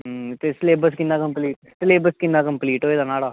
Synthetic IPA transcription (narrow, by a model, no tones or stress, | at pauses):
t̪esleːbəskɪnaːkəmpliːʈ | sleːbəskɪnd̪aːkəmpliːʈɦoːeːd̪aːnaːɽaː